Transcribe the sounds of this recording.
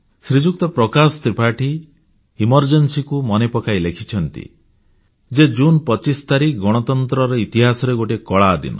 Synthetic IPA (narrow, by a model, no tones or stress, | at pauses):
sɾid͡ʒuk̚t̪ɔpɾɔkasɔ̥t̪ɾipaʈi | imɔɾd͡ʒensikumɔnepɔkajlekʰit͡ʃʰɔnt̪ḭ | d͡ʒed͡ʒunpɔt͡ʃist̪aɾiɡɔɽ̃ɔt̪ɔnt̪ɾɔɾɔit̪iɦasɔɾeɡoʈekɔɭaːd̪ḭnɔ̰